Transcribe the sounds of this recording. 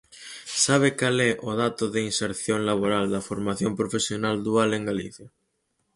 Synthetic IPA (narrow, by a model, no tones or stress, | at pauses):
saβ̞ekaleʔoðat̪oðeinseɾθjoŋlaβ̞oɾald̪afoɾmaθjompɾofesjonald̪ualẽŋɡaliθja